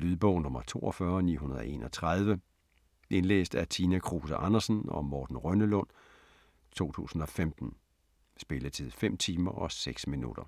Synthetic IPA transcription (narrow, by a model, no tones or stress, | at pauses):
lyðˠb̥ɔ̰̽ʊ̰nɔ̽mɐt͡sʰo̝̰ːʔɒfɶːɐnḭːɦunɐð̞ˠʔe̝̰ːnʔɒ̽t͡sʰʁað̞ˠʋə | ʔe̝nlḛːsd̥æt͡sʰiːnækʰʁuːsæʔɑnɐsnɒ̽mɒːd̥n̩ʁœnəlɔ̽n̰ | t͡sʰo̝̰ːt͡sʰṵːsn̩ɒ̽femd̥n̩ | sb̥e̝lət͡sʰið̰ˠfem̰t͡sʰiːmɐʔɒ̽seɡ̥sminṵd̥ɐ